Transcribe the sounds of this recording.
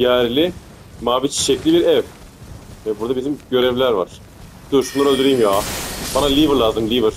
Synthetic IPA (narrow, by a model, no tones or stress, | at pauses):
jæɾlʲɪ | maːbit͡ʃʰi̥ʃeclʲibiɾɛv | vɛbuɾd̪abizimɟø̞ɾɛvlʲæɾva̰ɾ̥ | d̪̥uʃumlˠaɾølʲd̪yɾijimjaːbanalʲivɯɾlʲˠazɯmlʲivɯɾ̥